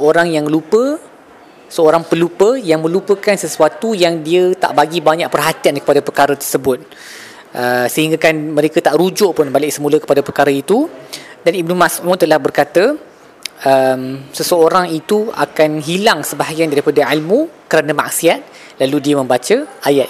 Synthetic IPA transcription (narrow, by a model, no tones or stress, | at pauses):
səoɾaŋjaŋlupə | səoɾaŋpəlupəjaŋmə̃lupəkansəsuat̪ujaŋdiət̪a̰ʔbaɡibaɲaʔpərɦat̪iankə̥padapərkaɾət̪ərsəbʊt̪̚ | ʔəsəɦiŋɡakanməɾekat̪aʔɾud͡ʒʊʔpʊnbalɪʔsəmũləkə̥padapərkaɾəit̪udanib̚nũmasʔʊt̪̚t̪ːəlahbərkat̪ə | əmsəsəoɾaŋit̪ua̰kanɦilaŋsəbaɦaɡiandaɾipadaʕilmukəɾanamak̚siat̪̚ | laludiəmə̃mbat͡ʃəʔajat̪̚